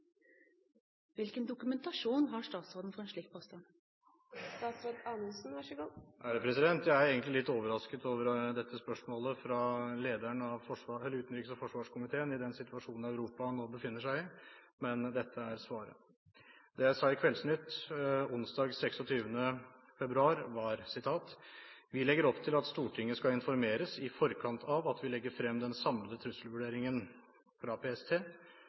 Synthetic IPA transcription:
ʋɪlkənd̪ʊkʉmɛnt̪ɑʂuːnɦɑʂʈ̪ɑːt̪sɔd̪n̩fɔɾɛnʂɭiːk̚pʰɔst̪ɑn | st̪ɑːt̪sɾɔd̪ɑnəlsn̩ʋæʂɪɡɔhæɖəpʰɾɛsɪd̪ɛnt̪jæɪæɾeːɡənt̪lɪlɪt̪ːoːʋəɾɑskət̪oːʋəɾd̪ɛt̪ʰːəspœʂmoːləfɾɑleːd̪æɳɑʋfɔʂʋɑɛləʉːt̪n̩ɾiːkəsfɔʂʋɑːʂkʊmɪt̪ʰeːənɪd̪ɛnsɪt̪ʋɑʂuːnn̩æʉɾuːpɑnoːbəfɪnːəʂæɪɪ | mɛnd̪ɛt̪ʰːəæɾsʋɑːɾə̰ | d̪ɛjæɪsɑːɪkʰʋɛlsnʏt̪ːʊnsd̪ɑːɡsɛksɔt̪ʰyːʋənə | fɛbɾʉɑːɾʋɑɾsɪt̪ʰɑːt̪ʋɪlɛɡːəɾɔpt̪ʰɪlɑt̪st̪uːʈʰɪŋːəskɑɪnfɔɾmeːɾəsɪfɔɾkʰɑnt̪ʰɑʋɑt̪ʰʋɪlɛɡːəɾfɾɛmːd̪ɛnsɑmlət̪ʰɾʉsəlʋʉɖeːɾɪŋən | fɾɑpʰeːɛst̪ʰeː

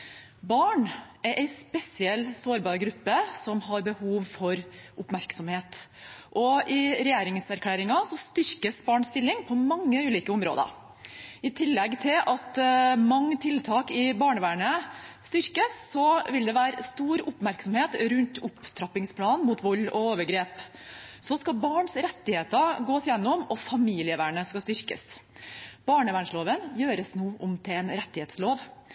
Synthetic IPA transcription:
bɑːɳæɾʔæɪspɛsɪɛlsoːɾbɑːɾɡɾʉpːəsɔmɦɑɾbəhuːʋfɔɾʔʊpmæɾksɔmheːt̪ | ʔɔʔɪɾɛjeːɾɪŋsæɾkʰlæːɾɪŋɑsɔst̪ʏɾkəsbɑːɳst̪ɪlːɪŋpʰɔmɑŋːəʉːliːkəʊmɾo̰ːd̪ə̰ | ɪt̪ʰɪlːɛɡt̪ʰɪlʔɑt̪mɑŋːət̪ʰɪlt̪ʰɑːkɪbɑːɳəʋæːɳəst̪ʏɾkəsːɔʋɪld̪ɛʋæːɾəst̪uːɾʊpmæɾksɔmheːt̪ɾʉnt̪ʊpt̪ʰɾɑpːɪŋspʰlɑːnmuːt̪ʰʋɔlːɔoːʋəɡɾeːp | sɔskɑbɑːɳsɾɛt̪ːɪheːt̪əɡoːsjɛnːɔmɔfɑmiːlɪəʋæːɳəskɑst̪ʏɾkə̰s | b̥ɑːɳəʋæːɳʂloːʋənjøːɾəsnuːʔʊmt̪ʰɪɛːnɾɛt̪ːɪheːt̪sloːʋ

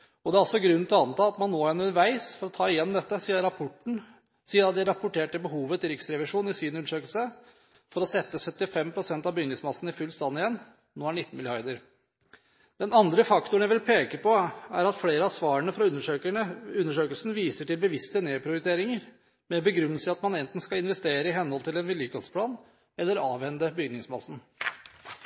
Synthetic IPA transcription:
ɔd̪ɛæɾɔlsɔɡɾʉnːt̪ʰɪlɔɑnt̪ɑːɑt̪mɑnːoːɛnʉnəɾʋæɪsfɔɾɔt̪ʰɑːɪjɛnːmd̪ɛt̪ːəsiːəɾɑpʰɔʈːɳ̩ | siːəɑt̪̚d̪ɪæɾɑpʊʈeːʈəbəɦuːʋət̪ɪɾɪksɾɛʋɪʂuːnɪsiːnʉnːəʂøːkəlsə | fɔɾɔsɛt̪ːəsœt̪ːɪfɛmpʰɾʊsɛnt̪ɑbʏŋnɪŋsmɑsn̩ɪfʉlːst̪ɑnːɪjɛnː | noːæɳɪt̪ːn̩mɪlɪɑɾd̪əɾ | d̪̥ɛnɑnd̪ɾəfɑkt̪ʊɳæɪʋɪlpʰeːkəpɔæɾɑt̪fleːɾəɑsʋɑːɾəɳəfɾɑʉəøəʉnːəʂøːkəlsnʋiːsəʈɪlbəʋɪst̪əneːpʰɾɪʊɾɪt̪ʰeːɾɪŋəɾ | mɛbəɡɾʉnːəsəɑt̪mɑnɛnt̪n̩skɑɪnʋɛst̪eːɾəɪɦɛnhɔlt̪ʰɪlɛnʋɪljyːkɔft̪spʰlɑːn | ɛlːəɾɑːʋʋɛnd̪əbʏɡnɪŋsmɑsn̩

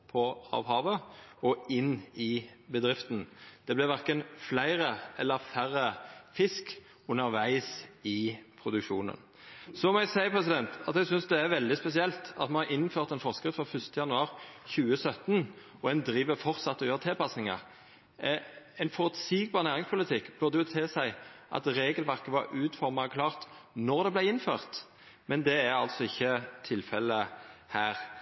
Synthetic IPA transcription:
pʰɔɑ̰ːʋhɑːʋəɔɪnːɪbəd̪ɾɪft̪n̩d̪̥ɛblɪʋæɾkənflæɪɾəɛlːəɾfærːəfɪsk | ʉnːəɾʋæɪsɪpʰɾʊd̪ʉkʃuːnə̰n | sɔmɔæɡsæɪpʰʁɛsɪd̪ɛnt̪ɑt̪æɡsʏnsd̪ɛæʋɛld̪ɪspɛsɪɛlt̪ɑ̰t̪mɑnɑɾʔɪnføːʁt̪ɛnfɔʁskɾɪt̪fɔfʏst̪əjɑnʉɑːɾçʉːəsœt̪ːn | ɔɛnd̪ɾiːʋəɾfɔʁt̪sɑt̪ːɔjøʁt̪ʰɪlpɑsnɪŋɑ̰ | æɪnfɔɾʉt̪siːɡbɑːʁnæːʁɪŋspʰʊlɪt̪ʰɪkːb̥œʁd̪əjʊt̪ʰeːsæɪʔɑ̰t̪ɾeːɡəlʋæʁkəʋɑɾʉːt̪fɔʁmɑkʰlɑːʁt̪nɔʁd̪ɛblæɪɪnføːʁt̪ | mɛnd̪ɛæɾɑ̰lt̪sɔɪçːət̪ʰɪlfɛlːəhæːɾ

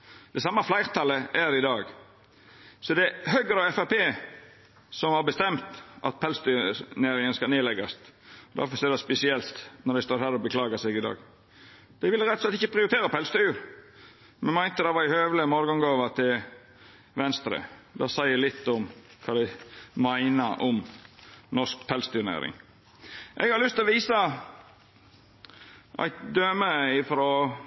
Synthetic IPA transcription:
d̪̥ɛsɑmːɑflæɪɾt̪ʰɑləʔæɾɪd̪ɑːɡ | sɔd̪ɛɦøɡəɾɑɛfæpʰeː | sɔmhɑɾbəst̪ɛmt̪ʔɑ̰t̪̚pʰɛlst̪œnæːɾɪŋənskɑlneːlɛɡɑst̪ɔd̪æ̰ɾfɔsɛːd̪æspɛsɪɛlt̪nɔɾd̪æɪst̪oːɾhæːɾɔbəkʰlɑːɡɑsɛɡɪd̪ɑ̰ːɡ | d̪̥æɪʋɪlːəɾɛt̪ːɔslɛt̪ɪçːəpʰɾɪʊɾɪt̪ʰeːɾɑpʰɛlst̪ʉɾ | mɛnmæɪnt̪əd̪ɑʋɑɾɪhøːʋləmoːɾɡɔŋɡoːʋət̪ʰɪl | ʋɛnst̪ɾə̰d̪ɑsæɪælɪt̪ːɔmkʰɑːd̪æɪmæɪnəɾɔm | nɔskpʰɛlst̪ʰʉnḛːɾɪ̰ŋ | ʔɛ̰ɡhɑɾlʏst̪ɪlɔʋiːsɑ | ʔæ̰ɪt̪d̪øːməɪfɾɔː

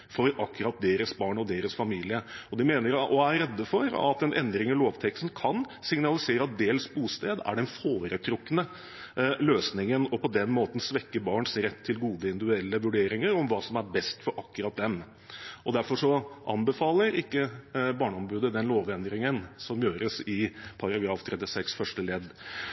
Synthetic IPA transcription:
fɔɾɑkːʉɾɑt̪̚d̪eːɾəsbɑːɳɔd̪eːɾəsfɑmiːlɪəɔd̪ɪmeːnəɾʔɔæɾɾɛd̪ːəfɔɾɑ̰t̪ɛnʔɛ̰nd̪ɾɪŋəloːʋt̪ʰɛkst̪n̩kʰɑn | sɪŋnɑlɪseːɾəɑt̪̚d̪eːlsbuːst̪eːd̪æ̰ɖɛnfoːɾət̪ʰɾʊkːənə | løːsnɪŋənɔpʰɔd̪ɛnmoːt̪n̩sʋɛkːəbɑːɳsɾɛt̪ʰːɪlɡuːd̪əɪnd̪ɪɛlːəʋʉɖeːɾɪŋəɾɔmʋɑːsɔmæɾbɛst̪fɔɾʔɑkːʉɾɑt̪̚d̪ɛm | ʔɔd̪æɾfɔʂɔʔɑ̰nbəfɑːləɾɪkːəbɑːɳɔmbʉːd̪əd̪ɛnloːʋɛnd̪ɾɪŋənsɔmjøːɾəsɪpʰɑɾɑɡɾɑːft̪ʰɾɛt̪ːɪsɛksfœʂʈəlɛd̪

